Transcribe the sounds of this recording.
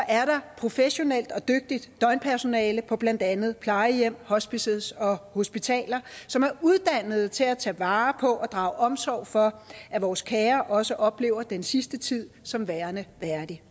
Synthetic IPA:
ʔæɐɾ̥ɑ̈pʰʁo̝feɕo̝nel̰d̥ɒ̽d̥øɡ̥̚d̥id̥ːɒ̽ɪnpʰæɐso̝nɛːləpʰɒ̽b̥lænd̥ænð̞̩ˠpʰlɑ̈ɪəjem̰hɒ̽sb̥iseð̩ˠsɒ̽ho̝sb̥it͡sʰɛ̰ːlɐsɒ̽mæɐuð̞ˠd̥æn̰ð̞̩ˠt͡sʰe̝læt͡sʰɛ̰ːʋɑ̈ːpʰɒ̽ʔɒ̽d̥ʁɑ̈ʊʔɒ̽msɒ̰ʊ̰fɒ̽ʔæʋɒːskʰɛːɐʔɒ̽səʔɒ̽b̥le̝̰ːʊɐd̥ensisd̥ət͡sʰið̰ˠsɒ̽mʋæːɐnəʋæɐd̥i

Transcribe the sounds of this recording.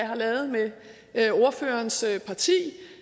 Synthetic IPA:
ɦɑ̈lɛːʊð̞̩ˠme | o̝ɐfø̰ːɐnspʰɑ̈t͡sʰḭː

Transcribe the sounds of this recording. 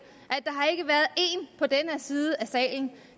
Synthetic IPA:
ʔæd̥ɑ̈ɦɑ̈e̝ɡ̥əʋæɐðˠe̝ːnpʰɒ̽d̥enæsiːð̞ˠəæsɛ̰ːɪln̩

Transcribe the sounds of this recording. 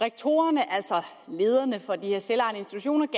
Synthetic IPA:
ʁeɡ̥̚t͡sʰo̝̰ːɐnəʔæl̰sɒ̽ | le̝ːð̞ˠɐnəfɒ̽d̥ihe̝ɐselɑ̈ɪnəensd̥it͡sʰuɕo̝̰ːnɐɡ̥

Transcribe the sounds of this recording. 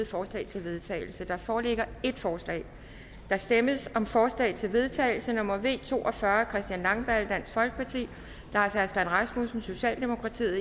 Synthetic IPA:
ð̩ˠfɒːslɛ̰ːt͡sʰe̝lʋe̝ðˠt͡sʰɛ̰ːɪl̩səd̥ɑ̈fɒːleɡ̥ɐe̝d̥fɒːslɛ̰ɪ | d̥ɑ̈sd̥eməsɒ̽mfɒːslɛ̰ɪt͡sʰe̝lʋe̝ðˠt͡sʰɛ̰ːɪl̩sənɔ̽mɐʋe̝̰ːt͡sʰo̝̰ːʔɒ̽fɶːɐkʰʁɛsd̥jænlɑ̈ŋb̥æld̥æn̰sfɒ̽lɡ̥ə̥pʰɑ̈t͡sʰḭː | lɑ̈ːsæɐsd̥ænʁɑ̈smusn̩so̝ɕɛ̰ːld̥e̝mo̝kʰʁɑ̈t͡sʰḭːð̩ˠ

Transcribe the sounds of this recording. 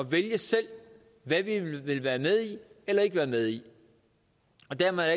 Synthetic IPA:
ɒ̽ʋeljəsel̰ | ʋæʋiʋe̝lʋæːɐmeð̞ˠielɐe̝ɡ̥əʋæːɐmeð̞ˠi | ɒ̽d̥æɐmæ

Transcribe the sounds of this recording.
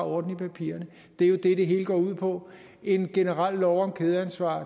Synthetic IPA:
ɒːd̥n̩ipʰæpʰḭːɐnə | d̥e̝æjo̝d̥e̝ɾ̥eɦe̝ːləɡ̥ɒ̰ːuð̰ˠpʰɒ̽ | e̝nɡ̥e̝nəʁɑl̰ːɒʊɒmkʰeːð̞ˠəænsʋɑ̰̈ː

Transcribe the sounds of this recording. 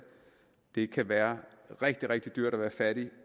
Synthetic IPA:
d̥e̝kʰæʋæːɐʁeɡ̥̚d̥iʁeɡ̥̚d̥id̥yɐ̰ɾ̥ɒʋæːɐfæɾ̥i

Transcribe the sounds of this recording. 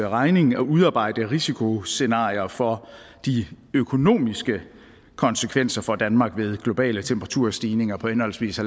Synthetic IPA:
ʁɑ̈ɪne̝ŋɒʔuð̞ˠɑ̈ːb̥ɑ̈ɪ̰d̥əʁisikʰo̝se̝nɑ̰̈ːjɐfɒ̽ | d̥i | økʰo̝no̝̰ːmisɡ̥ə | kʰɒ̽nsəkʰʋen̰sɐfɒ̽d̥ænmɑ̈ɡ̥ʋe̝ð̞ˠɡ̥lo̝b̥ɛ̰ːlət͡sʰemb̥ʁɑ̈t͡sʰuɐ̰sd̥iːne̝ŋɐpʰɒ̽enhɒ̽l̰sʋḭːsæl

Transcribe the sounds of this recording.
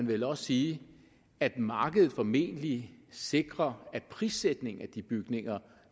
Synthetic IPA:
ænʋelɒ̽ssiː | æd̥mɑ̈ːɡ̥əðˠð̩ˠfɒ̽me̝̰ːnəlise̝ɡ̥ʁɐæd̥̚pʰʁiːsed̥ne̝ŋæd̥ib̥yɡ̥ne̝ŋɐ

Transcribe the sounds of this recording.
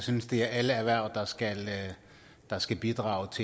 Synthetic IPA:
synəsd̥e̝æɐæləæʋæɐ̰d̥ɑ̈sɡ̥æl | d̥ɑ̈sɡ̥æb̥id̥ʁɑ̰̈ːʊt͡sʰe

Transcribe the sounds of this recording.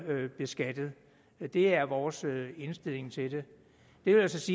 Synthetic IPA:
b̥e̝sɡ̥æd̥ð̩ˠ | d̥e̝æɐʋɒːsøe̝nsd̥e̝l̰e̝ŋt͡sʰe̝d̥e̝ | d̥e̝ʋe̝ljæsɒ̽siː

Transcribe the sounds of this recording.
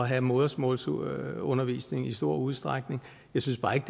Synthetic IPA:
ɒɦæmoðˠɐsmɔ̰lsɔ̽nɐʋḭːsne̝ŋisd̥o̝ɐ̰uðˠsd̥ʁaɡ̥ne̝ŋ | jɑ̈ɪsynsb̥ɑ̈ːe̝ɡ̥d̥

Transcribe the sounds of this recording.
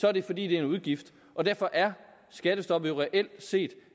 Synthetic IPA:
sɒ̽æɐd̥e̝fɒ̽dḭːd̥e̝æɐe̝nuð̞ˠɡ̥ifd̥ | ʔɒ̽d̥æɐ̰fɒ̽ʔæɐ | sɡ̥æd̥əsd̥ɒ̽b̥̩jo̝ʁɛʔel̰d̥se̝̰ːd̥

